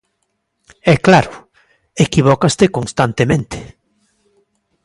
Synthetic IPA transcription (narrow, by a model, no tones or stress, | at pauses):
ɛklaɾʊ | ekiβ̞ɔkast̪ekonst̪ant̪emẽnt̪ɪ̥